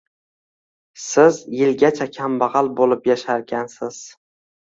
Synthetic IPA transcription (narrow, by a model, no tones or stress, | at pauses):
sɪzjɪlɡʲat͡ʃʰakʲʰambɑʁɑlˠbolɪpjaʃaɾɡʲansɪz̥